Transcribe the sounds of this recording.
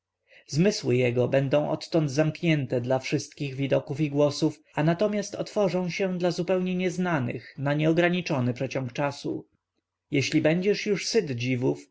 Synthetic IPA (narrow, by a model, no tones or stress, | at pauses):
zmɘswɘjɛɡɔbɛnd̪ɔ̃w̃ʔɔ̰t̪ːɔnd̪zamkɲɛnt̪ɛd̪lafʂɘst̪̚kʲiɣvʲid̪ɔkufiɡwɔsuf | anat̪ɔmʲjast̪ɔt̪fɔʐɔ̃w̃ɕɛd̪lazupɛwɲɛɲɛznanɘ̰xnaɲɛɔɡɾaɲit͡ʂɔnɘpʂɛt͡ɕɔ̃ŋkt͡ʂasṵ | jɛɕlʲibɛɲd͡ʑɛʂjuʂsɘd̪d͡ʑivuf